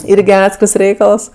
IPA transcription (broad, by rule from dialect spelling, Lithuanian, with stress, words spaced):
ˈɪrʲɡʲɪ ˈɑːtʲsʲkʲɪrs ˈrʲɛɪkɐlˠs